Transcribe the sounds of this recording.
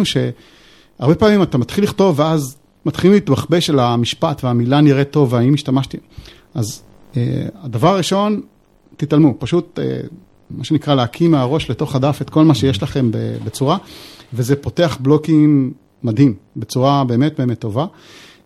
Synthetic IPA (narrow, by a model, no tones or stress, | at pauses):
uʃe̞ | aʁbe̞paːmimatamat̪χilːiχto̞vːeaz | mat̪χililit̪baχbeʃelamiʃpatveamilaniʁeto̞veaimiʃtamaʃti | az | ḛadavaʁʁiʃo̞n | titalmupaʃutḛ | maʃenikʁaleakʰimeaʁo̞ʃleto̞χadafetko̞lmaʃe̞jeʃlaχe̞mbḛbet͡suʁavezepo̞te̞aχblo̞kimː | adɦimbe̞t͡suʁabe̞ːme̞t̚be̞ːme̞t̪ːo̞va